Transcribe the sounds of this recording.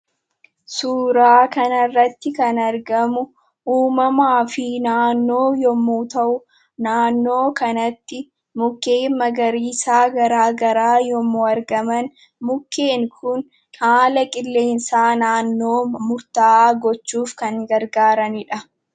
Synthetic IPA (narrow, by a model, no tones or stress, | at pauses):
suːɾaːkɐnɐrːɐt̪ːɪkɐnɐɾɡɐmʊ | ʔuːmɐmaːfɪnaːnːo̞ːjɔmːuːt̪ɐʔʊ | naːnːo̞ːkɐnɐt̪ːɪ | mʊkːeːmːɐɡɐɾiːsaːɡɐɾaːɡɐɾaːjɔmːuːɐɾɡɐmɐn | mʊkːe̞ːŋkʰʊn | aːlɐkʼɪlːe̞ːnsaːnaːnːo̞ːmʊɾt̪aːaːɡɔt͡ʃːuːfkɐŋɡɐɾɡaːɾɐnɪᶑɐ